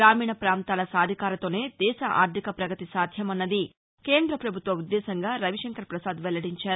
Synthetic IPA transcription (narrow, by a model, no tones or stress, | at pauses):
ɾaːmiːɳɐpɾaːnt̪aːlɐsaːd̪ʱikaːɾɐt̪o̞ːne̞ːd̪ɛːʃɐʔa̰ːɾd̪ʱikɐpɾɐɡɐt̪isaːd̪ʱjɐmɐnːɐd̪i | ke̞ːnd̪ɾɐpɾɐbʱut̪ʋɐud̪ːɛːsɐŋɡaːɾɐʋiʂɐŋkɐɾpɾɐsaːd̪ʋɛlɐɽiɲt͡ʃaːɾu